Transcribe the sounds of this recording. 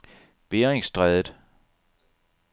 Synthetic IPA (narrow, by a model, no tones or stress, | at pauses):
b̥eːeŋsd̥ʁɛðˠəd̥